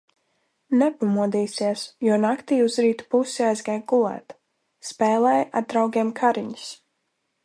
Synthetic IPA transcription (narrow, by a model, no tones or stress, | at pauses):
nɛpamuɔd̪iːsiɛsjuɔnakt̪iːuzɾiːt̪u̥pusiajzɡajɡɡulˠɛ̰ːt̪ | spɛːlˠɛːjʔa̰d̪̚d̪ɾawɡʲiɛmkʰaɾiɲi̥s